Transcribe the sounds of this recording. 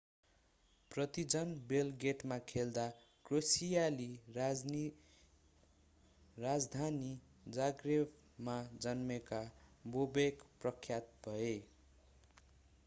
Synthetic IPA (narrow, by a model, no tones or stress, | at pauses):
prʌt̪id͡zʌnbelɡeʈmakʰeld̪a | krosijali | rad͡zd̪ʱani | d͡zaɡreb | mad͡zʌnmekabobekprʌkʰːjat̪̚bʱʌe